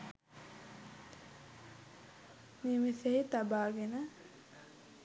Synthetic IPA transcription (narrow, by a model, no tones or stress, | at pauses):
meːmiseɦit̪abaːɡenə